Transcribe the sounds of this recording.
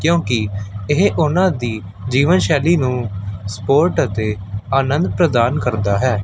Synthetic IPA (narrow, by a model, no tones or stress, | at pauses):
kjõːkɪɪɦʔʊnãːd̪iː | d͡ʒiːʋənʃɛːliːnũːspoːɾʈət̪eːaːnənd̪̚pɾəd̪aːnkəɾd̪aːɦɛː